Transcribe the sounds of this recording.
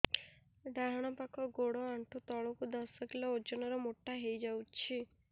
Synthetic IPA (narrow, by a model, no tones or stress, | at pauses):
ɖaɦɽ̃ɔpakʰɔɡoɽɔaɳʈʰut̪ɔɭokud̪ɔsɔkilɔod͡ʒɔnɔɾɔmoʈːaɦejd͡ʒawt͡ʃʰi